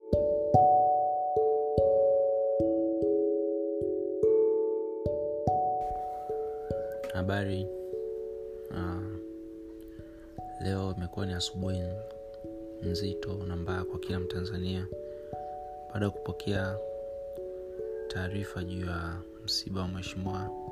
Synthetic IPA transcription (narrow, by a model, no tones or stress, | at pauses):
haɓaɾi | lɛɔimɛkuwaniasu̥ɓuhi | m̩zitɔnambaakwakilam̩tanzania | ɓaːɗajaku̥pɔkʰɛa | tʰaːɾifaʄuːja | m̩siɓawamwɛʃimiwa